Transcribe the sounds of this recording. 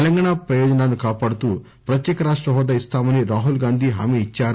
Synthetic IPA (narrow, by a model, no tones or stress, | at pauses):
ɛlɐŋɡaːɳapɾɐjɔːd͡ʒɐnaːnukaːpaːɽut̪uː | pɾɐt̪jɛːkɐɾaːʂʈɾɐɦɔːd̪aist̪aːmɐniɾaːɦulɡaːnd̪ʱiɦɐ̰miːt͡ʃːaːɾu